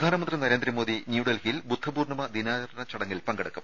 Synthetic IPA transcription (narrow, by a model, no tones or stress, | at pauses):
d̪ʱaːnɐmɐnd̪rinɐɾeːnd̪ɾɐmo̞ːdðinjuɽɐlɦijlbud̪ʱːɐbuːrɳɐmɐd̪inaːɐɾɐnɐt͡ɕɐɽɐŋːilpɐŋɡɐɽɐkːum